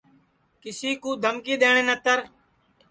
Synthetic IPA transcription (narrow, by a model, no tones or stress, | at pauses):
kɪsiːkuːd̪ʱəmkiːɗ̪eːɳ̃ẽːnət̪əɾ